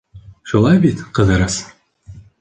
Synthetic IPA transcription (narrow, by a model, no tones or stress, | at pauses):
ʃulˠɑjbit̪qɤ̆ðɤ̆ɾɤs